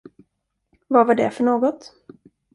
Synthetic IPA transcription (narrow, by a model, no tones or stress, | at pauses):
vavaɖɛ̰fœɳoːɡɔt̪